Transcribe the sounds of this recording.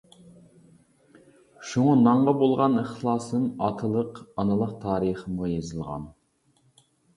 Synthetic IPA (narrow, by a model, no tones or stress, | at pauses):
ʃuŋɑnɑɴʁɑbolˠʁɑnəχlˠɑːsɨmɑt̪ʰɨlˠəqɑnɨlˠəqt̪ʰɑːɾəχəmujezɨlˠʁɑ̰n